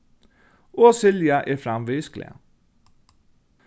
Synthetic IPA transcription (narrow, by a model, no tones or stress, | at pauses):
oːsɪljɑʔeːfɾɑmʋiːsklɪ̰ə̰